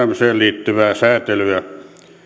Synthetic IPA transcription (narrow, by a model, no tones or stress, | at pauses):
æmseːlliːt̪ːyʋæːsæːt̪elyæ